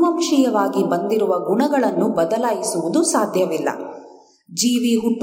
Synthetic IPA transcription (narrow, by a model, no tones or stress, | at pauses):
mɐmʂijɐʋaːɡibɐnd̪iɾuʋɐɡuɳɐɡɐɭɐnːubɐd̪ɐlaːjisuʋud̪usaːd̪ʱjɐʋilːɐ̰ | d͡ʒiːʋiɦuʈː